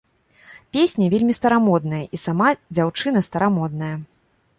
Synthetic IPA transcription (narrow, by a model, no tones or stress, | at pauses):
pʲesʲnʲɐvʲelʲmʲist̪ɐɾamɔd̪nɐjɐʔisamad͡zʲawt͡ʂɨnɐst̪ɐɾamɔd̪nɐjɐ